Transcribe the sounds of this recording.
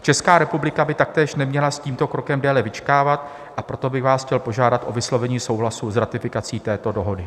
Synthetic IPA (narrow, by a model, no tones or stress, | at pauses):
t͡ʃɛskaːɾɛpublɪkabɪt̪ak̚t̪ɛːʃnɛmɲɛlasciːmt̪o̞kɾo̞kɛmdɛːlɛvɪt͡ʃkaːvat̪̚ | ʔapɾo̞t̪o̞bɪɣvaːsxcɛlpo̞ʒaːdat̪ʔo̞vɪslo̞vɛɲiːso̞wɦlasuzɾat̪ɪfɪkat͡siːt̪ɛːt̪o̞do̞ɦo̞dɪ